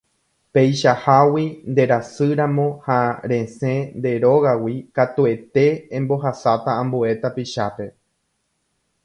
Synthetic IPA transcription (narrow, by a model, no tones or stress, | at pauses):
pe̞jʃahawind̪e̞ɾasɨɾãmõ̞haɾẽ̞sẽ̞nd̪e̞ɾo̞ɣawikat̪ue̞t̪ẽ̞ːmbo̞ɦasat̪aãmbue̞t̪apiʃape̞